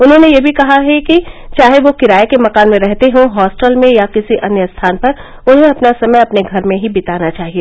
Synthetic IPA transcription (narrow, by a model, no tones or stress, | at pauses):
ʊnɦõːnejeːbʱikɐɦaɦɛkit͡ʃaːɦeʋokɪɾaːekemɐkaːnmẽɾɛɦt̪eɦõɦɔːsʈəlmẽjakɪsiʔɐnjəst̪ʰaːnpɐɾ | ʊnɦẽɐpnasɐməjɐpneɡʱɐɾmẽɦibɪt̪aːnat͡ʃaːɦieː